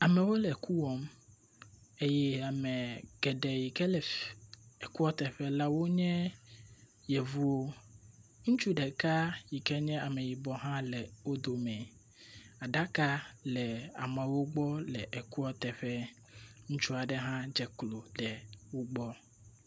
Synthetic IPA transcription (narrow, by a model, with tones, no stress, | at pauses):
a˨mɛ̃˨wo˦lɛ˨ku˦wɔ˦m | e˦jɛ˦a˨mɛ̃˨ɡ̥ɛ˨ɖɛ˨ji˨kɛ˦lɛ˨ | e˨ku˦ɔ˦t̪ɛ˨ɸɛ˦la˦wo˦ɲɛ̃˦ | jɛ˨vu˦wo˦ | ŋũ˦t͡ʃu˦ɖɛ˨ka˦ji˨kɛ˦ɲɛ̃˦a˨mɛ̃˨ji˨bɔ˨ɦã˦lɛ˨wo˦d̪o˨mɛ̃˨ | a˨ɖa˦ka˦lɛ˨a̰˨mɛ̃˨wo˦ɡ͡bɔ˦lɛ̰˨ʔɛ˨ku˦ɔ˦t̪ɛ˨ɸɛ˦ | ŋũ˦t͡ʃu˦a˨ɖɛ˦ɦã˦d͡ʒɛ˨klo˨ɖɛ˨wo˦ɡ͡bɔ˦